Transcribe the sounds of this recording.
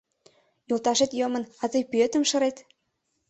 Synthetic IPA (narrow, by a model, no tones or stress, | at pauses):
julˠt̪ɑʃet̪jɤmɤ̆nɑzɤjpyøt̪ə̆mʃɤ̆ɾet̪